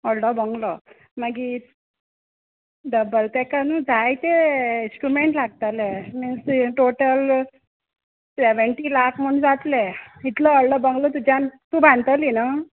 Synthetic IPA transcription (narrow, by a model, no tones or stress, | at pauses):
əɭɖəbəŋɡlɔ | maɡi | ɖəbəlt̪ekanud͡zʱajt̪einsʈɾumeɳʈlaɡ̚t̪aleminsʈoʈəl | seʋəɳʈilakʰm̤əɳd͡zat̪leit̪ləːlɖəbəŋɡlɔt̪ud͡ʑʱant̪uːbʱãnt̪əlina